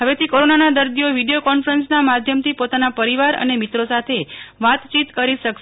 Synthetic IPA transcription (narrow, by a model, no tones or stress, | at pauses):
ɦəʋet̪ʰikoɾonanad̪əɾd̪ijoʋiɖejokɔnfɾənsnamad̪ʱjəmt̪ʰipot̪anapəɾiʋaɾə̰nemit̪ɾosat̪ʰeʋat̪t͡ʃit̪kəɾiʃək